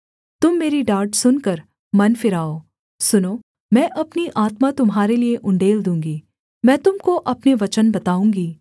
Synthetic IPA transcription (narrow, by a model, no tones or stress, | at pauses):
t̪ʊmːeːɾiɖaːɾʈsʊnkɐɾ | mɐnfɪɾaːoː | sʊnoː | mɛ̃ːʔɐpniʔaːt̪mat̪ʊmɦaːɾelieʔʊ̃ɳɖeːld̪ũːŋɡiː | mɛ̃ːt̪ʊmkoʔɐpneʋɐt͡ʃənbɐt̪aːũːŋɡiː